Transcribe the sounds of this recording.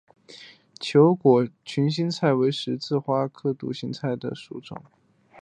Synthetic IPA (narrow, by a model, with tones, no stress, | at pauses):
t͡ɕʰjo˧˥ʊkwɔ˨˩t͡ɕʰy˧˥nɕi˥nt͡sʰa˥˩ɪwe˧˥ɪʂɻ̩˧˥t͡sɹ̩˥˧xwa˥kʰɤ˥˧t̪ṵ˥˩ɕi˧˥ŋt͡sʰa˥˩ɪd̪ə̰˩ʂu˨˥ʈ͡ʂʊ̰˨˩˦ŋ